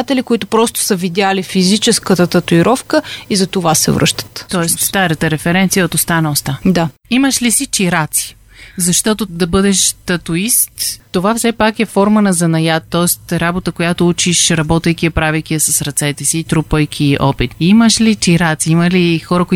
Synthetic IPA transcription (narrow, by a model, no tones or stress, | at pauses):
t̪ɛlikoʊit̪ʊpɾɔst̪ʊ̥səvid̪ʲjalifizit͡ʃɛskət̪ət̪ɐt̪ʊiɾɔfkəizɐt̪ovasɛ̰vɾɤ̰ʃt̪ə̥t̪t̪ɔɛst̪st̪aɾət̪əɾɛfɛɾɛnt̪sijəot̪ost̪anost̪ad̪aiməʃlisit͡ʃiɾat̪si̥ | zɐʃt̪ɔt̪ʊd̪ɐbɤd̪ɛʃt̪ɐt̪ʊistt̪ːovafsɛpakɛfɔɾmənɐzɐnɐjat̪ːɔɛst̪ɾabot̪əkojat̪out͡ʃiʃɾɐbɔt̪əjk̟ʲiɛpɾavɛjk̟ʲiɛsɐsɾɐt̪sɛt̪ɛsiːt̪ɾupəjk̟ʰiʔɔ̰pit̪iməʃlit͡ʃiɾat̪siimɐlixɔɾəkʊi